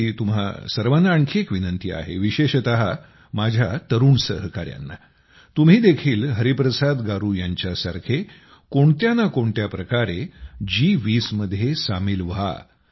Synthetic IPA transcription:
it̪umɦa̰səɾʋanaːɳkʰekʋinənt̪ia̰ɦḛʋiɕeɕt̪əɦa | mad͡ʑʱjat̪əɾuːɳsəɦkaɾja̰nːa̰ | t̪um̤ɦiːd̪ekʰiːlɦəɾipɾəsad̪ɡaɾujaɲt͡ɕjasa̰ɾkʰe | koɳt̪janakoɳt̪japɾəkaɾed͡ʑiʋiːsməd̪ʱːjesamiːlʋa̰

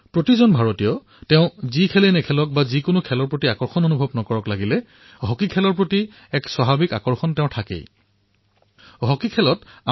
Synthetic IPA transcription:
pɹotizɔnbʱaɹotijɔ | tɛʊ̃zikʰɛlenɛkʰɛlɔk̚bazikʊnʊkʰɛlɔɹpɹotiakɔɹxɔnonubʱɔbnɔkɔɹɔklaɡilɛ | ɦɔkikʰɛlɔɹpɹoti | ɛkswaɦabikakɔɹxɔntɛʊ̃tʰakḛj | ɦɔkikʰɛlɔta

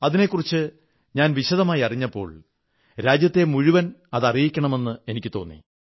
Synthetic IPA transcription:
ɐðine̞kːurit͡ɕːɨ | ɲaːnʋiɕɐðɐmaːjiɐriɲːɐpːo̞̰ːɭ | ɾaːd͡ʑjɐt̪ːe̞muɻiʋɐnɐðɐrijikʲːɐɳɐme̞nːɨe̞nikʲːɨt̪o̞̰ːnːḭ

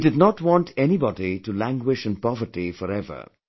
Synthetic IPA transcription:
dɨdnɔtwɔ̃nʈʰɛnibɔditulæ̃ŋɡwɪʃə̃npɔvəɾʈifɔɾɛvə̰

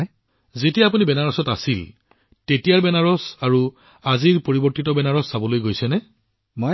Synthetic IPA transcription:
zetijaːp̬unibɛnaɹɔsɔtasil | tetijaɹbɛnaɹɔsaɹu | aziɹpoɹibɔɹtitɔbɛnaɹɔsːabɔlojɡojsɛnɛ | mo

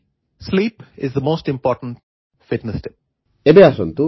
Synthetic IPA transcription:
sliːpɪzd̪əmoːsʈɪ̃mpɔːʈə̃nʈ | fɪʈnəsʈɪp̚ | ebeasɔnt̪u

